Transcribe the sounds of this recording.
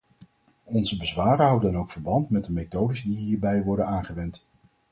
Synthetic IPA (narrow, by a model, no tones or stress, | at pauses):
ɔnzəbəzʋaːrəɦɑwdənowkfəɹbɑntmɛt̚dəmejtowdəzdiɦiːɹbɛjʋɔɹdənaːnχəʋɛnt